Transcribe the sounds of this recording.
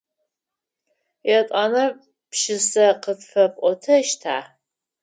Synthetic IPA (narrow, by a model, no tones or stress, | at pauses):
jɛtʼanɐ | pʃɪsɐqətfɐpʼʔʼʷɔtʰɐʃtʰaː